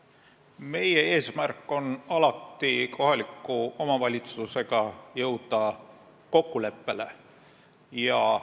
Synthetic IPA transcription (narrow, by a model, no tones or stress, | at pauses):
me̞jee̞ːsmærkːˑo̞nɑlɑt̪ːˑikʰo̞ɦɑlikːˑuo̞mɑvɑlʲit̪suse̞ɡ̥ɑjɤwd̪̥ɑ | ko̞kːˑule̞pːe̞le̞̰ | jɑ